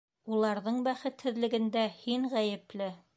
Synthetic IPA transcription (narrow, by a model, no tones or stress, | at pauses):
ulˠɑɾðɤɴbæχɘt̪hɘ̆ðlɘ̆ɡɘ̆nd̪æhiɴʁæjɘ̆plɘ